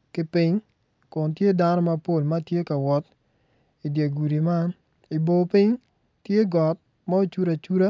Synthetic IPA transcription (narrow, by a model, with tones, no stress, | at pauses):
kɪ˦pɪ˦ɲ | kʊ˨ntje˦da˦nɔ˦ma˦po˦˨lma˦tje˦ka˨wɔ˨˦t | i˨dje˨ɡu˨ɾi˨ma˦n | i˨bo˨pɪ˦ɲ | tje˦ɡɔ˨t̚ | ma˦o˦˨t͡ʃu˦ɾa˨t͡ʃu˦ɾa˦